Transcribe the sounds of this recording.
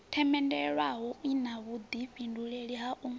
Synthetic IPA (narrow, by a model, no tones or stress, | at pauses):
tʰɛmɛndɛɺwaɦɔinaβud̪iɸinduɺeɺiɦaʔu